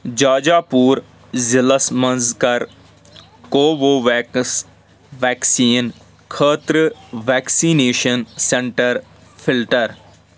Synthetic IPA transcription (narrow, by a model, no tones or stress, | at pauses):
d͡ʒaːd͡ʒaːpuːɾ | zɪləsmənzkəɾ | koːʋoːʋɛːks | ʋɛːksiːn | kʰəːt̪ɾəʋɛːksiːneːʃənsɛ̃ɳʈəɾ | pʰɪlʈəɾ